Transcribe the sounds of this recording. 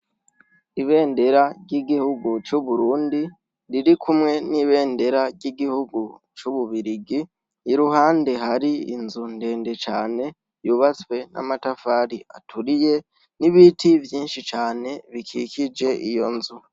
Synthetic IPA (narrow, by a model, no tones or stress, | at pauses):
iβe̞ːnde̞ɾaɾɟiɡihuɡut͡ʃuβuɾuːndi | ɾiɾikʰumŋe̞niβe̞ːnde̞ɾaɾɟiɡihuɡut͡ʃuβuβiɾiɡi | iɾuhaːnde̞ɦaɾiḭnzun̥de̞ːnde̞t͡ʃaːne̞ | juβat͡swe̞nʔa̰matafaːɾia̰tʰuɾije̞ | niβitivjiːnʃit͡ʃaːne̞βikʰikid͡ʒe̞ʔijo̞nzu